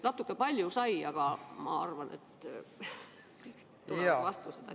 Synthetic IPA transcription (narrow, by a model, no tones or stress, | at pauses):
nɑt̪ːˑukːˑepɑlʲjusɑjɑɡ̥ɑmɑ̰ɑ̰rvɑnḛt̪ː | t̪ːulevɑst̪used̪̥ɑ̰